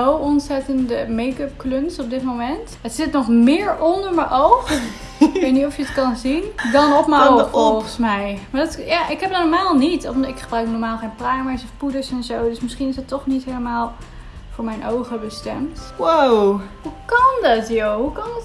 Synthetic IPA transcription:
owɔnsɛtəndəmejkəp̚klønsɔb̚dɪtmowmɛntətsɪtnɔχmɪːɹɔndəɹməʔowχ | ejtnitɔfjəətkɑnzindɑnɔpməofɔlˠχəsmɛjmaːɹdɑtjaːʔɪkɦɛp̚dnɔɹmaːlˠnitɪkχəbrœɥknɔɹmaːlˠχejnprajməsɔfpudəɹsɛnzowdɵsmɪsχinɪsətːɔχnitɦeləmaːlˠ | v̥ʊːɹmɛjnʔowχəbəstɛ̰mtwowhukɑndɑtjowɦukɑnt

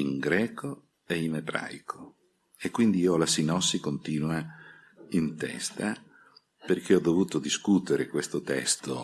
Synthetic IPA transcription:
iŋɡɾɛːko | einebɾa̰jkʰo̥ | ekːwind̪iiːɔlasinɔsːikont̪iːnwa | int̪ɛ̰st̪a | perk̟eɔd̪ovuːt̪od̪iskut̪eɾekwest̪ot̪ɛ̰st̪o

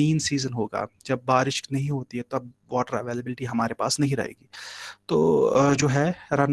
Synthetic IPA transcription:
ĩːnsiːzənɦoːɡa̰ːd͡ʒɐbːaːɾɪʃknɐɦĩɦoːt̪iɦɛt̪oɐb̚ʋɔːʈəɾɐʋeːləbɪlɪʈiɦɐmaːɾepa̰ːsnɐɦĩɾɐ̰ɦḛːɡiːt̪o̰ːd͡ʒoːɦɛɾɐn

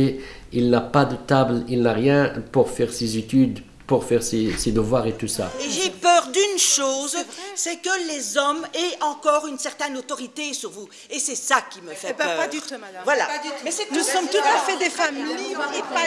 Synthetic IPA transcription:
eilnapad̪ət̪ablilnaʁjɛ̃puʁfɛʁsezet̪yd̪ | puʁfɛʁsesed̪əvwaʁet̪usa̰eʒepœːʁd̪ynʃoːzsɛkəlezɔmɛɑ̃kɔʁynsɛʁt̪ɛnot̪ɔʁit̪esyʁvu | esɛsakʲiməfɛpː | vwalamɛnusɔmt̪ut̪afɛd̪efamiea

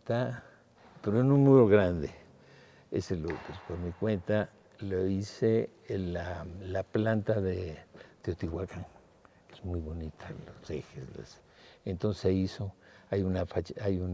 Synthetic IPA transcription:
t̪a | peɾoenũnmuɾoɣɾand̪e | ḛselopespoɾmikwent̪a | loise | lalaplant̪aðed̪̥eot̪iwakaŋ | kezmujβonit̪ʰalosḛxḛzla̰s | ent̪onseisoajunafat͡ʃajun

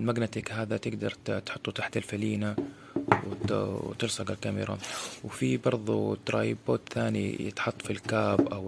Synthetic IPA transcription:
lmaɡnat̪iːkɦaːðat̪ɪɡd̪ɑɾˤt̪ħʊt̪ˤːut̪aħt̪alfaliːna | wt̪ɪɾsˤɑɡalkamɪ̰ɾa̰wfibɑɾˤðˤut̪ɾˤɑ̰ːjɪbːoːt̪θaːnḭjɪ̰t̪ħɑt̪ˤːfilkaːbʔaw

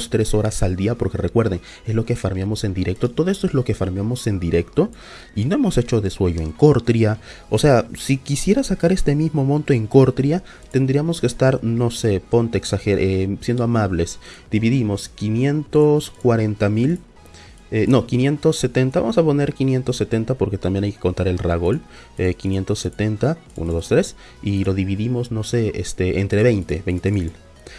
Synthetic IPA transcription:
st̪ɾe̞so̞ɾasald̪iapo̞ɾke̞re̞kwe̞ɾðe̞ŋ | e̞zlo̞kefaɾmjamo̞se̞nd̪iɾe̞k̚t̪o̞t̪o̞ðoe̞st̪oezlo̞ke̞faɾmjamo̞se̞nd̪iɾe̞kt̪o̞ | ino̞e̞mo̞se̞t͡ʃo̞ðe̞swe̞ʝo̞e̞̰ŋko̞ɾt̪ɾja | ose̞asikisje̞ɾasakaɾe̞st̪e̞mizmo̞mõnt̪o̞e̞ŋko̞ɾt̪ɾja | t̪e̞nd̪ɾiamo̞skeːst̪aɾno̞se̞po̞nt̪eeksaxeɾesje̞nd̪oamaβle̞sd̪̥iβiðimo̞skinje̞nt̪o̞skwaɾe̞nt̪amil | eno̞kinje̞nt̪o̞sːe̞t̪ent̪aβa̰mo̞saponeɾkinje̞nt̪o̞sːe̞t̪e̞nt̪apo̞ɾke̞t̪ambjenajke̞ko̞nt̪aɾe̞lraɣo̞l | ekinje̞nt̪o̞sːe̞t̪e̞nt̪a | ṵnoðo̞st̪ɾe̞s | ilo̞ðiβiðimo̞zno̞se̞est̪e̞ʔent̪ɾe̞βejnt̪e̞βe̞jnt̪e̞mil

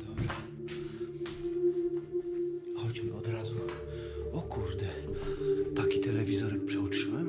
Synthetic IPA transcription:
d̪ɔbʐɛ | hɔt͡ɕmɨɔd̪ɾazu | ɔkʰuʐd̪ɛ | t̪akʲit̪ɛlɛvʲizɔɾɛk̚pʂɛut͡ʂɨwɛm

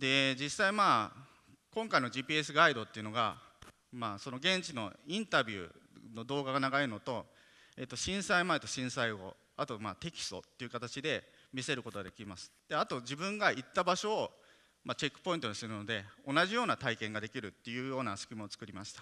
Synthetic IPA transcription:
d̪e̞d͡ʑisaimaː | kõ̞ŋkainoʑiːpʲiːe̞sɨɡaid̪o̞t̪ːe̞iɯ̟no̞ɡa̰ | maːso̞no̞ɡẽ̞ɲt͡ɕino̞ĩnt̪abʲjɯ̰no̞d̪o̞ːɡaɡanaɡaeɾno̞t̪o̞ | eːt̪ːo̞ɕĩɰ̃saimae̞t̪o̞ɕĩɰ̃saiɡo̞̰ | at̪o̞maːt̪e̞kʲi̥st̪o̞̰t̪ːe̞iɯ̟kat̪at͡ɕid̪e̞ | mʲise̞ɾɯ̟ko̞t̪o̞ɡad̪e̞kʲimasɨ̥d̪̥eat̪o̞d͡ʑibɯ̟̃ŋɡait̪ːabaɕo̞ː | mat͡ɕe̞kːɯ̥po̞ĩnt̪o̞ɲisɨɾɯ̟no̞d̪e̞o̞naʑijo̞ːnat̪aikẽ̞ŋɡad̪e̞kʲiɾɯ̟t̪ːe̞jɯ̟ːjo̞ːnasɨ̥kʲimoːt͡sɨ̥kɯ̟ɾʲimaɕi̥t̪ḁ

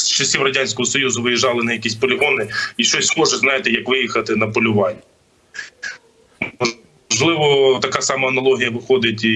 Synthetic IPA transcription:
st͡ʃɐsʲlʲiʋrɐdʲanʲsʲkɔɦɔsɔjuzʊʋɪjɪʒɑlˠɪnɐjɐkʲisʲtʲpɔlʲɪɦɔnɪiʃt͡ʃɔsʲmɔʒɛznɑjɪt̪ɪjɐkʋɪjixɐt̪ɪnɐpɔlʲʊʋɑnʲː | mɔ | ʒlˠɪʋɔt̪ɐkasɑmɐːnɐlˠɔɦʲijɐʋɪxɔd̪ɪtʲi

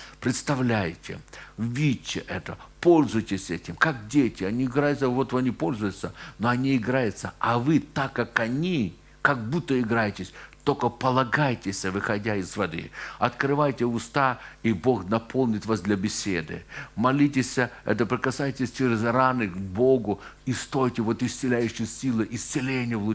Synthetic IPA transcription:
pɾʲɪt̪st̪ɐvlʲæjtʲɪ̰vʲitːt͡ɕːɪ̰ʔɛt̪əpo̞lʲzʊjtʲɪsʲɛtʲɪmkak̚dʲetʲɪɐnʲiɪɡɾajʊt̪səvot̪vɨɐnʲipo̞lʲzʊjʊt̪sənoɐnʲiɪɡɾajʊt̪səɐvɨt̪akːakɐnʲi | kɐɡ̚but̪ːəɪɡɾajɪtʲɪsʲt̪okəpəlˠɐɡajtʲɪsʲəvɨxɐdʲaɪzvɐd̪ɨ̰ɐt̪kɾɨvajtʲɪʊst̪aibo̞xnɐpʰo̞lˠnʲɪt̪vasd̪lʲɐbʲɪsʲed̪ɨ̰mɐlʲitʲɪsʲəɛ̰t̪əpɾʲɪkɐsajtʲɪsʲt͡ʃɪʐzɾanɨɡbo̞ɡʊist̪o̞jtʲɪvo̞t̪ɪsʲt̪sɨlʲæjʉɕːɪjsʲilˠɨʔɪsʲt̪sɪlʲenʲɪjəvlˠʊ

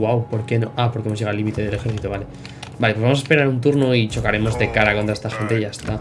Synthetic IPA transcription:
wawpo̞ɾke̞no̞ʔapoɾke̞mo̞ʝe̞ɣalimit̪e̞ðe̞lexe̞ɾθit̪uβale̞ | balepwβamos̬espe̞ɾaɾunt̪̬uɾnoit͡ʃo̞kaɾe̞mo̞zðe̞kaɾakont̪ɾaet̪axe̞nt̪e̞ʝaest̪a

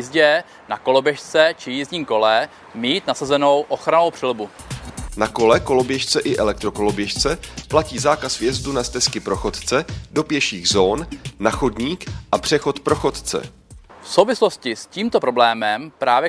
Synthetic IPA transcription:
izɟɛ | nako̞lo̞bjɛʃt͡sɛt͡ʃɪjizɲiːmko̞lɛ | miːt̪nasazɛno̞wʔo̞xɾanowpr̥ɛlbunako̞lɛko̞lo̞bjɛʃt͡sɛʔɪʔɛlɛk̚t̪ɾo̞ko̞lo̞bjɛʃt͡sɛplaciːzaːkasvjɛzdunast̪ɛskɪpɾo̞xo̞t̪t͡sɛdo̞pjɛʃiːɣzoːnnaxodɲiːkʔapr̝̥ɛxo̞t̪pɾo̞xo̞t̪t͡sɛ̰ | fsowvɪslo̞scɪsciːmt̪opɾo̞blɛːmɛmpɾaːvjɛ

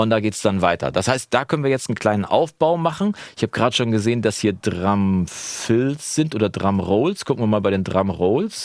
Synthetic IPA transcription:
ʔʊnt̚d̥aːɡeːtəsd̥anvaɪtʰɐ̰d̥ashaɪst̚d̥aːkʰœnənviɐjɛt͡stn̩kʰl̥aɪnənʔa̰ʊfb̥aʊmaχn̩ʔɪçhaːbəɡʁaːdəʃoːnɡəzeːəndashiːɐdʁamfɪlsz̥ɪntʔoːdɐdʁamʁoːlskʰʊk̩viːɐmaːlbaɪɾeːndʁamʁoːls

